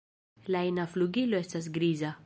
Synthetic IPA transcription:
laenafluɡilo̞estas̬ɡɾiza

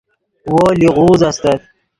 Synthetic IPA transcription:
woːliʁuːzast̪ɐt̪̚

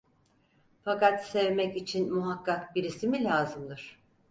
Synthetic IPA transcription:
fakat̪sɛvmɛcit͡ʃʰinmuɦakʰːakbiɾisimilʲaːzɯmd̪ɯɾ̥

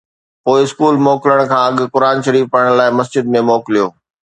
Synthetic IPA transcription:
poːɪɪskuːlmoːkɪləɽ̃kʰãːɐɠkʊɾaːnʃɐɾiːfpɐɽɽ̃laːɪmɐsd͡ʑɪd̪̚mẽmɔːklijoː

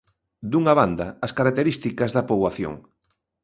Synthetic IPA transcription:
d̪uŋaβand̪ɐːskaɾak̚t̪eɾist̪ikɐzðɐpoβwaθjo̰ŋ

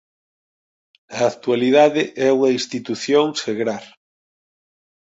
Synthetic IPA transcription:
ɐakt̪ualiðaðɪʔɛuŋɐĩst̪it̪uθjoŋseɣɾaɾ

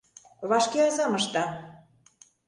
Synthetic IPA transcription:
βɑʃkeɑzɑmɤ̆ʃt̪ɑ

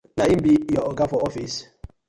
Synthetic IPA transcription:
naimbijɔɔɡafɔɔfis

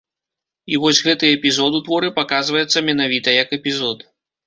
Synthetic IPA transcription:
ivɔsʲɣɛt̪ɨɛpʲizɔd̪ut̪vɔɾɨpakazvɐjɛt̪sːɐmʲɛnavʲit̪ɐjɐkɛpʲizɔt̪

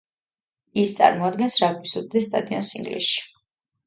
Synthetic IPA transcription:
ist̪sʼa̰ɾmɔad̪ɡɛnsɾakʰisuɾ̚d̪ɛst̪ʼad̪iɔ̰nsḭŋɡlḭsʃi̥

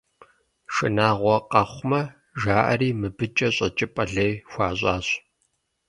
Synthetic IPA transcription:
ʃɨ̰naːʁʷɔqɐχʷmɐ | ʒaːʔɐ̰riːmɨbɨt͡ʃʼɐɕʼɐ̰t͡ʃʼɪpʼɐɮejxʷɑːɕʼaːɕ

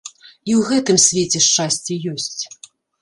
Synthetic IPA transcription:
iwɣɛt̪ɨmsʲvʲɛt͡sʲɛʂt͡ʂasʲt͡sʲɛjɔsʲt͡sʲ

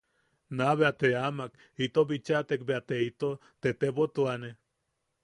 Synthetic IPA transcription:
naβeat̪eamak | it̪obit͡ʃat̪ekbeat̪eit̪o | t̪et̪ebot̪uane

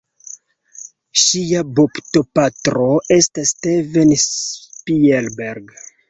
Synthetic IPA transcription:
ʃiabopto̞patɾo̞e̞stastevenspielbeɾɡ

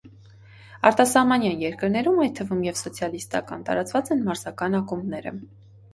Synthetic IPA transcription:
ɑɾt̪ɑsɑhmɑnjɑnjɛɾkəɾnɛɾumɑjt̪ʰːəvumjɛvsɔt͡sʰjɑlist̪ɑ̰kɑ̰nt̪ɑ̰ɾɑt͡svɑt͡sɛnmɑɾzɑkɑnɑkumnɛɾə̰

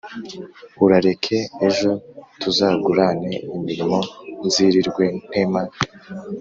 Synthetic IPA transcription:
uɾaɾe̞kʰe̞ːʒo̞tʰuzaːɡuɾane̞imiɾimo̞nziɾiɾɡwe̞n̥eːma

